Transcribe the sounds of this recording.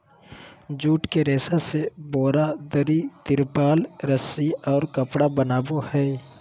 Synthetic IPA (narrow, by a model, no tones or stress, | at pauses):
d͡ʒuːʈkeɾeːsasebɔːɾad̪əɾit̪ɪɾpaːlɾəsiɔːɾkəpɽabənaːbohɛː